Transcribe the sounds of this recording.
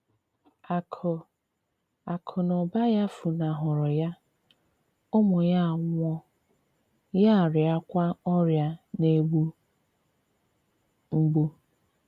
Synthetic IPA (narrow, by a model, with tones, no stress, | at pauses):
a˨kʰɔ˨ | a˨kʰʊ˨nʊ˨ba˦ja˦fu˨na˨ɦʊ˨ɾʊ˨ja˦ | ʊ˦mʊ˨ja˦˨ŋʷɔ˦ | ja˦˨ɾja˦kʷa˦ɔ˦ɾja˦ne˦ɡ͡bu˦ | ŋ͡m̩˦ɡ͡bu˦